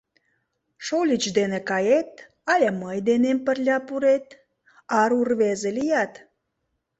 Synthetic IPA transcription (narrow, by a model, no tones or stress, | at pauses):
ʃolʲit͡ɕd̪enekɑjet̪̚ | ɑlʲɑməjd̪enempə̆rlʲɑpuɾet̪ | ɑɾurβezelijɑt̪